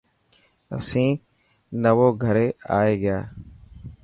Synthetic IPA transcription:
ə̰sĩː | nəʋoːɡʱəɾeːaːeːɡɪjaː

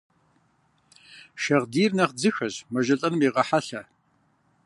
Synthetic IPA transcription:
ʃɐʁdiːrnɐχd͡zɨxɐʑmɐʒɐɬʼɐnɨmiːʁɐħaɬɐ

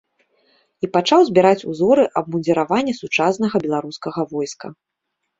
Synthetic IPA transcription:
ipat͡ʂawzʲbʲɛɾat͡sʲṵzɔɾɨʔɐb̚mud̪ʲɛɾavanʲːɐsut͡ʂasnɐɣɐbʲɛlˠaɾuskɐɣɐvɔjskɐ̰

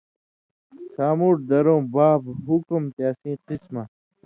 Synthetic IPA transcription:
saːmuːʈ̚d̪ɐɾõːbaːbɦukumt̪jaːsĩːqisma

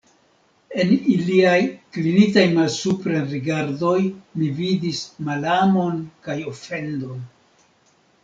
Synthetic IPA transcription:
e̞niliajklinitajmalsupɾeɾiɡaɾdo̞jmividismalamo̞nkajo̞fe̞ndo̞n

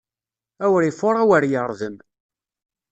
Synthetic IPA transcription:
æwɾifʊɾˤawəɾjəɾˤðəm

